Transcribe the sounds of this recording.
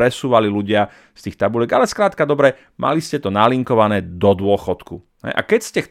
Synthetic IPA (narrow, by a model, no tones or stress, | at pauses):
ɾɛsuːʋaliluɟɪa | st̪iːxt̪abulɛɡalɛskɾaːt̪kad̪ɔbɾɛ | mʔa̰liscɛt̪ɔnaliŋkɔʋanɛːd̪ɔd̪ʊɔxɔt̪ku | ɦɛ̰jʔa̰kɛcscɛ